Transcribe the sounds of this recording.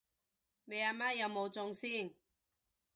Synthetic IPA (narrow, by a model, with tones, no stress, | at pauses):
me˨˧jaː˧maː˦˥jɐ˨˧wmo˨˧wt͡sʊ˨˧ŋsiː˥˨ŋ